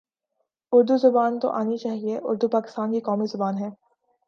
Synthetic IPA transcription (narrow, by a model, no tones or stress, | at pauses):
ʊɾd̪uzʊbaːnt̪o̰ʔaːnit͡ʃaːɦieʔʊ̰ɾd̪upaːkɪ̥st̪aːnkikɔːmizʊbaːnɦɛː